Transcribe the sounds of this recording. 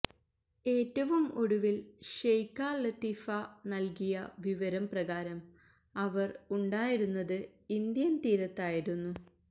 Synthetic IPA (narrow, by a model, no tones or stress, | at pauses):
e̞ːtːɐʋumo̞ɽuʋilɕejkːaːlɐt̪iːfɐnɐlkijɐʋiʋɐɾɐmprɐɣaːɾɐm | ɐʋɐruɳɖaːjiɾunːɐðɨind̪jɐnt̪iːɾɐt̪ːaːjiɾunːu